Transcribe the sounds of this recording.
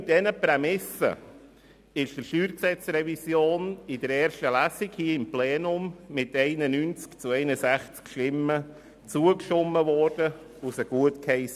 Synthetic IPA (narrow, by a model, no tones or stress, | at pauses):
ɪdɛnəpɾɛmɪsə̰ | ɪʃd̥əʃyːɾksɛt͡srɛvisjoːnɪdəɾɛːɾʃtəlæsikhiəɪmplɛːnʊmːɪtɛɪnənynt͡skt͡suɛɪnəsæχt͡skʃtɪmə | t͡suəkʃɔmːəvɔɾd̥ə | usəɡ̥uətkhɛɪsə